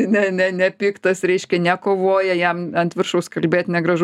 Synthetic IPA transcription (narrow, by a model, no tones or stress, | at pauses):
nʲɛnʲɛnʲɛpʲiːkt̪ɐsɾʲɛɪʃʲkʲɛnʲɛkoːʋoːjɛjɛmɐnʲt̪ʲʋʲɪrʃɐʊskɐlʲbʲeːt̪nʲɛɡɾɐʒ